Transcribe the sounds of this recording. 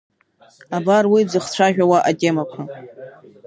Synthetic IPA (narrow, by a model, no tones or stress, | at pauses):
abarwid͡zɨχt͡ɕʷʰaʒᶣawaʔatʼemakʷʰa